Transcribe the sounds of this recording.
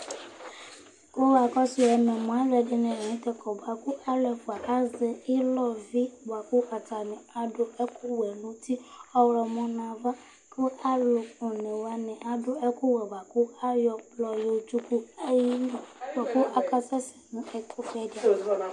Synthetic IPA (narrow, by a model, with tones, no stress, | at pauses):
o˦wa˨kɔ˦si˨ɛ˧mɛ̃˨mɔ̃˨a˨˦lɛ˨˧dɪ˧nɪ̃˨ĩ˨˦tɛ˧kɔ˨ba˨kʊ˦ʔa˦lɛ˨fu˨a˨ka˦zɛ˧i˦lɔ˦˨vi˦ba˨ku˦ʔa˨ta˨nɪ̃˨a˨dʊ˧ɛ˦ku˦wɛ˨nũ˦ti˦ɔ˦wɾɔ˧mɔ̃˧nã˧va˦ | tʊ˦a˦lo˨ʊ˨nɪ̃˨wa˧nɪ̃˨ʔa˨dʊ˨ɛ˦ku˦wɛ˨ba˨kʊ˦a˦jɔ˧plɔ˧jo˧˨t͡ʃu˦ku˦a˦ji˦n˨ba˨ku˦ʔa˦ka˦sɛ˦sɛ̥˨nʊ̃˨˦ɛ˨kʰu˦fɛ˧˦da˨